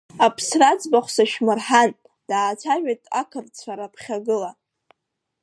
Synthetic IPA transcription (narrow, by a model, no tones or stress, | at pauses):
apʰsrad͡zbaχʷsaʃmɨrħan | d̥aːt͡sʷʰaʒᶣatʼa̰kʰɨrt͡sʷʰaɾapʰχʲaɡɨla